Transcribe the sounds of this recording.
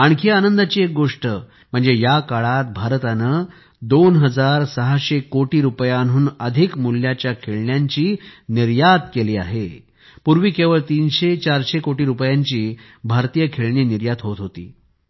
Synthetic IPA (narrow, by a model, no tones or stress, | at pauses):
aɳkʰianənd̪at͡ɕiːek̚ɡoʂʈə | m̤əɳd͡zejakaɭat̪̚bʱaɾt̪anə | d̪onɦəd͡zaɾsəɦaɕekoʈiːɾupjanɦuːnəd̪ʱikmulːjat͡ɕjakʰeɭɳjaɲt͡ɕiːniɾjad̪keliːa̰ɦḛ | puɾʋiːkeʋəɭt̪iːnɕet͡ɕaɾɕekoʈiːɾupjãɲt͡ɕiː | bʱaɾt̪ijəkʰeɭɳiːniɾjad̪ɦot̪ɦot̪ḭː